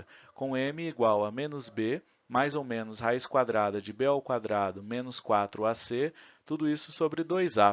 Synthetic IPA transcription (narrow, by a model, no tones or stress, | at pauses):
kõẽmɪːɡwawɐmẽnʊzbe | majzowmẽnʊshajɪskwad̪ɾad̪ɐd͡ʒɪbeawkwad̪ɾad̪ʊmẽnʊskwat̪ɾʊaset̪ud̪ʊisʊ̥sobɾɪd̪ojza